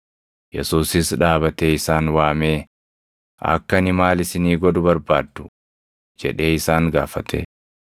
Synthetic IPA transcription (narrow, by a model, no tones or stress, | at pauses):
jɛ̰suːsɪsᶑaːbɐt̪eːɪsaːnwaːme̞ː | ɐ̰kːɐnɪmaːlɪsɪniːɡɔd̪ʊbɐɾbaːd̪ːʊ̥ | d͡ʒɛᶑe̞ːɪsaːŋɡaːfɐt̪ʰḛ